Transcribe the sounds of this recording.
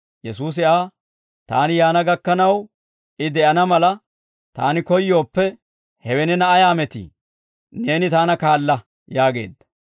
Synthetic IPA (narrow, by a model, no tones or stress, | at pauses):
jɛsuːs̬ɪʔaː | t̪aːnɪjaːnɐɡɐkːɐnɐw | ʔɪd̪ɛʔɐnɐmɐlɐ | t̪aːnɪkɔjːo̞ːpːɛ | hɛwɛnɛnɐʔɐjaːmɛt̪ḭ | ne̞ːnɪt̪aːnɐkaːlːɐ | jaːɡe̞̰ːd̪ːɐ̥